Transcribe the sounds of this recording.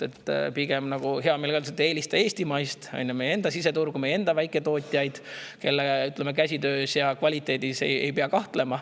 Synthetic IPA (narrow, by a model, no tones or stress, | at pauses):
et̪ˑːpiɡ̥emnɑɡ̥uɦe̞ɑme̞lɡɑolset̪ːˑe̞ːlist̪ɑe̞ːsʲt̪imɑjst̪ɑ̰jnʲːume̞jːee̞nd̪ɑsiset̪urɡ̥umeje̞nd̪̥ɑvæjkːˑe̞t̪o̞ːt̪ʲˑijɑjd̪̥ke̞lːeyt̪ːˑlemek̬æsʲid̪ø̞ːsjɑkvɑlʲit̪ːˑe̞ːd̪ise̞̰je̞̰jpeɑkɑht̪le̞mɑ